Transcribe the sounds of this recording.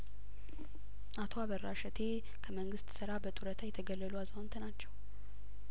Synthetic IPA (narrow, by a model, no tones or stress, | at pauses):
ʔat̪ʰo̞aβəɾːaʃɛt̪ʰe | kʰəməŋɡɨst̪sɨɾabət̪ʼuɾət̪ʰajɛt̪ʰəɡəlːəluazhont̪ʰənat͡ʃːɛw